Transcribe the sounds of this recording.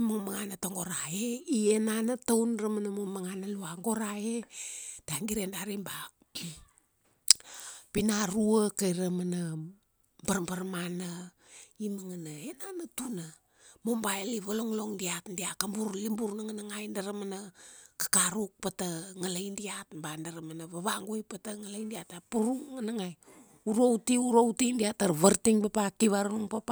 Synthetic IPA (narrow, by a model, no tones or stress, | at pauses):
maŋmaŋanataŋɡo̞ɾaeienanatawnramanamomaŋanaluaŋɡo̞ɾaetaŋɡiɾendaɾimba | pinaɾuəkajɾamana | baɾmbaɾmana | imaŋanaenanatuna | mombaeliβaloŋloŋdiatdiakambuɾlimbuɾnaŋanaŋajndaɾamanakḁkaɾuk̚pataŋalajndiatmbandaɾamanaβaβaŋɡujpataŋalajndiatapuɾuŋŋanaŋaj | uɾowtiuɾowtindiataɾβaɾtiŋpapakiβaɾuŋpapa